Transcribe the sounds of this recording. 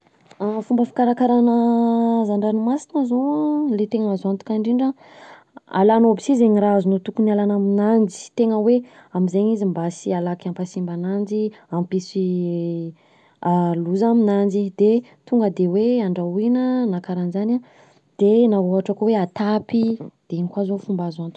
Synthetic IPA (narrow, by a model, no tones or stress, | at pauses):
fumbəfi̥kaɾakaɾanəzaɳɖ͡ʐanimasi̥nəzoalet̪eŋəazoant̪u̥kʲaɳɖ͡ʐiɳɖ͡ʐa | a̰lanobisizeɲiraazunut̪ukunialanaminand͡ʒi̥t̪eŋəwe | amizeɲizimbasialakampasimbanand͡ʒi | ampisi | aluzaminand͡ʒid̪̥et̪uŋɡəd̪eweaɳɖ͡ʐainənakaɾanzana | d̪̥enaɦoɦaʈ͡ʂəkoweat̪apid̪̥eiɲikwazofumbazant̪u